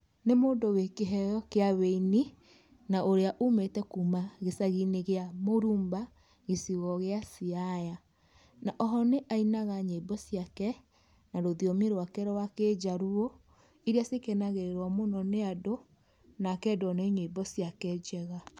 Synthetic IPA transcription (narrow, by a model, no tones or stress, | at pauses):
nemoːndowekeɦɛjɔkeaβeini | naʔoɾeaʔumetɛkumaɣesaɣineɣeamoɾuːmba | ɣesiɣɔɣeasiaja | naʔɔɦɔneʔainaɣaɲeibɔsiakɛ | naɾoðiɔmeɾwakɛɾɔwaked͡ʒaɾuɔ | iɾjasekenaɣeɾeɾwɔmonɔneado | nakɛdwɔnɛɲebɔsiakɛd͡ʒɛɣa